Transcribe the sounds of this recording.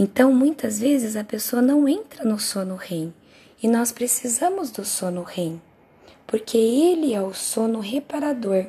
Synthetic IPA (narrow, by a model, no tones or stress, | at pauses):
ẽnt̪ɐ̃w̃mũj̃t̪ɐzvezɪzɐpesoɐnɐ̃w̃ẽnt̪ɾɐnʊsonʊhẽj̃ | ɪnɔspɾesizɐ̃mʊzd̪ʊsõnʊhẽj̃ | poɾkʰeelɪɛʊsõnʊɦepaɾad̪oɾ